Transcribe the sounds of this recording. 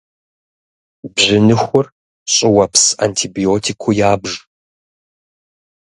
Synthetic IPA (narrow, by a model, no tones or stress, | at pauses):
bʑɪnɨxʷʊr | ɕʼɪwɐpʰsa̰ːntʰiːbioːtʰikʷʰʊjaːbʒ